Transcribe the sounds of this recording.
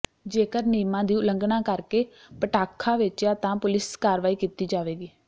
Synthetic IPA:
d͡ʒeːkəɾniːmãːd̪iːʊləŋɡnãːkəɾkeː | pəʈaːkʰːãːʋɪt͡ʃaːt̪ãːpʊlɪskaːɾʋaːiːkiːt̪iːd͡ʒaːʋeːɡiː

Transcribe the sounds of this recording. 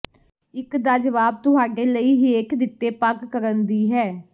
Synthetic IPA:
ɪkd̪aːd͡ʒəʋaːb̚t̪ʊɦaːɖeːləiːɦiːeːkd̪ɪt̪ːeːpaɡkəɾənd̪iːɦɛː

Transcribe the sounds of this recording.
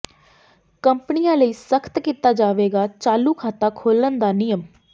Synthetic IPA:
kəmpənɪjãːləiːsəkʰə̥t̪kiːt̪aːd͡ʒaːʋeːɡaːt͡ʃaːluːkʰaːt̪aːkʰoːlənd̪aːnɪjəm

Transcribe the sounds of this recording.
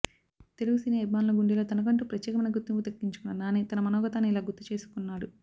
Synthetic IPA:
t̪eluɡusiːnɐɐbmaːnulɐɡuɳɖiloːt̪ɐnɐkɐɳʈuːpɾɐt̪ːjɛːkɐmɐnɐɡut̪ːimput̪ɐkːiɲt͡ʃu̥kunːɐnaːniːt̪ɐnɐmɐnɔːɡɐt̪aːnːiilaːɡut̪ːut͡ʃe̞ːsu̥kunːaːɽu

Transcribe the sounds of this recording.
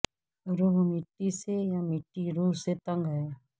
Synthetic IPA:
ɾuːɦmɪʈːisejamɪʈːiɾuːɦset̪ə̃ŋɡɦɛː

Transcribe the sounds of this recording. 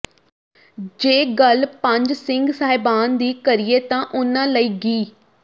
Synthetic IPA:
d͡ʒeːɡəlpə̃ɲd͡ʒsɪ̃ŋɡsaːɦɪbaːnd̪iːkəɾɪeːt̪ãːʔʊnãːləiːɡiː

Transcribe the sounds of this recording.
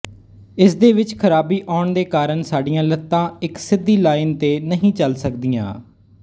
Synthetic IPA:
ɪsd̪eːʋɪt͡ʃkʰəɾaːbiːʔaːɳd̪eːkaːɾəɳsaːɖijãːlət̪ːãːɪksɪd̪ːiːlaːɪnt̪eːnəɦĩːt͡ʃəlsəkd̪ijã̰ː

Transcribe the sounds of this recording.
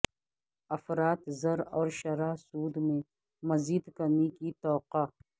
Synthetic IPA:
ɐfɾaːt̪zɐɾɔːɾʃɐɾasuːd̪mẽ | mɐziːd̪kɐmikit̪ɔːqa

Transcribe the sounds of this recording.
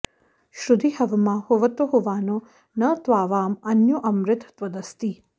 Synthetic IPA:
ʃɾud̪ʱihɐʋɐmɐhuʋɐt̪uɦuʋaːnu | nɐt̪ʋaːʋaːmɐnjuʔɐmɾɪt̪ʰɐ̥t̪ʋɐd̪ɐst̪i

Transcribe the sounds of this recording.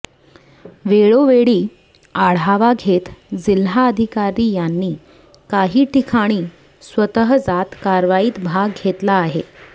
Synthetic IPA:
ʋeɭoʋeɭiː | aɽ̤aʋaɡʱet̪d͡zilɦaəd̪ʱikaɾiːjanːiː | kaɦiːʈikʰaɽ̃iː | sʋət̪əɦəd͡zat̪kaɾʋaiːt̪bʱaɡɡʱet̪laːɦe

